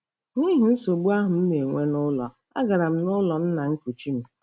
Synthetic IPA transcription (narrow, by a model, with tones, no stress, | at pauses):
ŋi˦ɦʊ˨i˦so˨ɡ͡bu˦a˦ɦʊ˨m̩˦ne˨ŋʷe˦nʊ˦lɔ̰˨ | a̰˦ɡa˨ɾa˨m̩˦nʊ˦lɔ˨n̩˦na˨ŋ̩˦ku˨t͡ʃi˦m̩˦